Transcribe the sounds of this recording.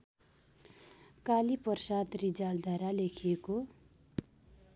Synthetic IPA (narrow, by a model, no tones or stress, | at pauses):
kalipʌrsat̪rid͡zald̪ʱaɾalekʰijeko